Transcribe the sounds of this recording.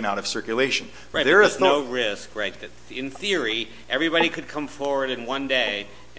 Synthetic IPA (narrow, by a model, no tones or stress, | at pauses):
ɨ̃ñaʊɾʌv̥sɜ˞kjɨleɪʃɨ̃n̩ | ɹaɪtðə˞əznoʊɹɪskɹaɪt̪̚ðɨt̚ | ɨ̃nθɪɹi | ʔɛvɹibɑɾikʰɨd̚kʰʌ̃ɱfɔɹwə˞ɾɨ̃nwʌ̃ndeɪ